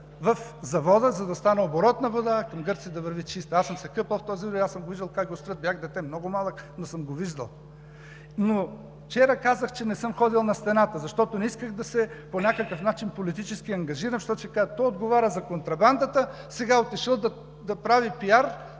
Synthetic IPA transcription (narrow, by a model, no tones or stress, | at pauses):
vɐfzɐvɔd̪əzɐd̪ɐst̪anɛoboɾɔt̪nɐvod̪akɐmɡɤɾt̪sid̪ɐvəɾvit͡ʃist̪ɐasəmsɛkɤpəlˠft̪ɔzid̪ɛiasəmɡoviʒd̪ɐlˠkakɡost̪ɾət̪bjaxd̪ɛt̪ɛmnɔɡomalˠəknosəmɡoviʒd̪ɐ̰lˠ | no | ft͡ʃɛɾəkazəxt͡ʃɛnɛsɤmxɔd̪ilˠnɐst̪ɛnat̪əzɐʃt̪ɔt̪onɛiskəxd̪ɐsɛponʲakəkəfnat͡ʃinpolit̪it͡ʃɛskiɐŋɡɐʒiɾɐnfʃt̪ɔt͡ʃɛkat̪ɔjod̪ɡovaɾʲəzɐkont̪ɾɐband̪ət̪ə | sɛɡaot̪iʃəlˠd̪ɐ | d̪ɐpɾavipiaɾ